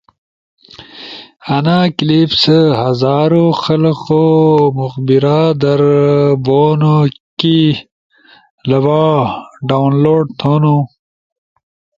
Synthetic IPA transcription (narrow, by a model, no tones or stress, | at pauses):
ɐnaklipsəhɐzaːɾoxɐlqomuxbiɾad̪ɐɾboːnoki | lɐwaːɖawnloːɖ̚t̪ʰonu